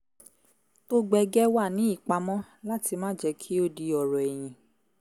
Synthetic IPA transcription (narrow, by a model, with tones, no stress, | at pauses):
to˦ɡ͡bɛ˧ɡɛ˦wa˦˨nĩ˨˦i˦˨k͡pa˧mɔ̃˦ | la˦ti˧mãː˦d͡ʒɛ˧kʰi˦o˦di˧ɔ˨ɾɔ˨ɛ˨j̃ĩ˨